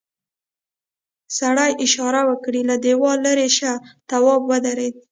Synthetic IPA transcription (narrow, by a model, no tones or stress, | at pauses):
saɽajʔɪʃɑɾawəkɽilad̪ewɑlaɾeʃat̪awɑbwəd̪aɾed̪̚